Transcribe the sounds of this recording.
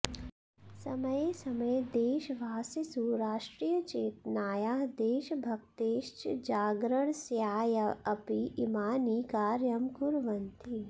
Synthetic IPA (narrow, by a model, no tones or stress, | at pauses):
sɐmɐjesɐmɐjd̪eːʃʋaːsisuːɾaːʂʈɾiːjət͡ʃeːt̪̚naːjaːɦd̪eːʃbʱɐk̚t̪eːʃt͡ʃd͡ʒaːɡɾəɳ̃sjaːjɐɐpiimaːniːkaːɾjɐmkuɾʋɐnt̪ʰi